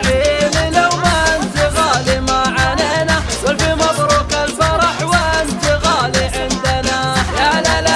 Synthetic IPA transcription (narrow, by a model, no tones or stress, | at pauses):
ʕiːlilawmaʔɪnt̪iɣaːlimaʕaneːna | walfimɑd̪ˤɾˤukalfɑɾˤɑħwaʔɪnt̪iɣaːliʕɪnd̪anajalala